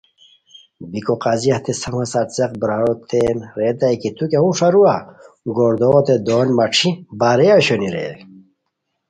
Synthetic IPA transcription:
bikoqaziɐht̪esɐmɐsaʈt͡seq̚bɾaot̪ʰeːnɾet̪ajkit̪ukeũʂɐɾua | ɡoɾd̪oːt̪ed̪oːnmɐʈ͡ʂʰibaɾeaɕoniɾḛ

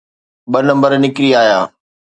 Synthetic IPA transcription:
ɓɐnɐ̃mbəɾnɪkɪɾiaːjaː

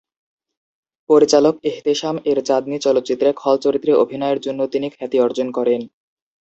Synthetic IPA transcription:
poɾit͡ɕalokeɦt̪eʃameɾt͡ɕad̪nit͡ɕɔlot̪ːt͡ɕit̪ːɾekʰɔlt͡ɕoɾit̪ːɾeʔobʱinɔeɾd͡ʑonːot̪inikʰɛt̪iɔɾd͡ʑonkɔɾen

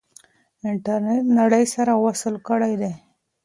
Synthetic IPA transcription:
ɪɳʈaɾneʈnaɽəjsaɾawasəlkəɽajd̪e

